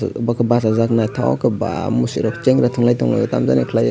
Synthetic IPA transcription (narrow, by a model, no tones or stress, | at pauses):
bakʰɯbasazaknajtʰawa̰kʰɯba̰musiɾɔkt͡ʃeŋɾatʰɔŋlajtʰɔŋla̰jɔtamza̰nekʰlaj